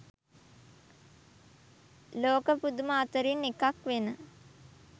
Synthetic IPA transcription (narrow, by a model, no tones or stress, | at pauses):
loːkəpud̪uməːt̪əɾinekakʋenə